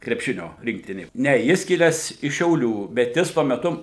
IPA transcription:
krʲɛpʲˈʃʲɪnʲoː ˈrʲɪŋktʲɪnʲeː ˈnʲɛ ˈjɪs ˈkʲɪlʲæːs ɪʃ ʃʲɛʊˈlʲuː bʲɛt ˈjɪs tuɔ mʲɛˈtʊ

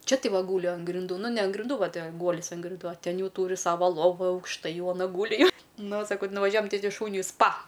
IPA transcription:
ˈt͡ʃʲɛ ˈtɐɪ ˈʋɐ ˈɡuːlʲɪ ɐn ɡrʲɪnˈduː ˈnʊ nʲɛ ɐn ɡrʲɪnˈduː ˈʋɐ ˈtʲɛ ˈɡuɔlʲɪs ɐn ɡrʲɪnˈduː oː ˈtʲɛn ˈjɛʊ ˈtuːrʲɪ ˈsɑːʋɐ ˈlˠoːʋʊ ɐʊkʃˈtɐɪ ˈjɛʊ ɐˈnɐ ˈɡuːlʲɪ jɛʊ nʊ sɐˈkɐʊ tʲɪ nʊʋɐˈʒʲuɔjɛm ˈtɐɪ ˈtʲɪ ˈʃuːnʲʊɪ ˈspɐ

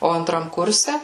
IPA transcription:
ˈoː ɐnˈtrɐm ˈkʊrʲsʲɛ

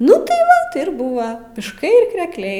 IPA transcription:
ˈnʊ tɐɪ ˈʋɐ tʲɪ ɪr ˈbuːʋɐ mʲɪʃˈkɐɪ ɪr krʲɛkˈlʲɛɪ

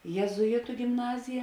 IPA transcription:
jeːzʊˈɪtʊ ɡʲɪmˈnɑːzʲɪjɛ

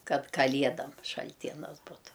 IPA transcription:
ˈkɐt kɐlʲˈiɛdɐm ʃɐlʲˈtʲiɛnɐs ˈbʊtʊ

